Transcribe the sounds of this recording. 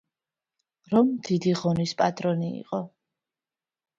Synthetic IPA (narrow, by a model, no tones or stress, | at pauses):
ɾɔmd̪̥id̪iʁɔnispʼat̪ʼɾɔniḭqʼɔ